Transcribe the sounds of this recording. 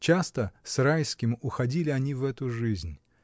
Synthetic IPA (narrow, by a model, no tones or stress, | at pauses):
t͡ɕast̪əsrajskʲɪmʊxɐdʲilʲɪɐnʲivɛt̪ʊʐɨzʲnʲ